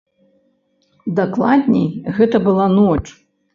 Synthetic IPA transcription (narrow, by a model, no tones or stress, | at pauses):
d̪aklˠad̪ʲnʲɛ̰jɣɛt̪ɐbɨlˠanɔt͡ʂ